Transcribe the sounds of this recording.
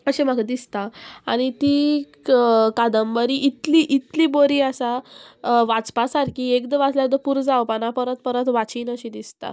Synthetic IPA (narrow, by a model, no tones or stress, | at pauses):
əɕim̤akd̪ist̪aa̰ɽ̃it̪i | kad̪əmbəɾiʔːt̪liʔit̪liboɾiəsa | ʋat͡spasaɾkiekd̪əʋat͡sljad̪əpuɾd͡zaʋpənapəɾət̪̚pəɾət̪ʋat͡siːnəɕid̪ist̪a̰